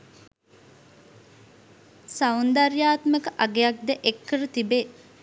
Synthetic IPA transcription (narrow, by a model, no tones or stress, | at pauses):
sɐund̪ɐɾjaːt̪məkəʔɐɡejɐk̚d̪eʔekːəɾət̪ibe